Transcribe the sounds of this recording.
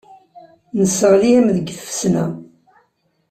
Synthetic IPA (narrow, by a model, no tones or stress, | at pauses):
nəsəʁliæmðəɡθə̥fsnæ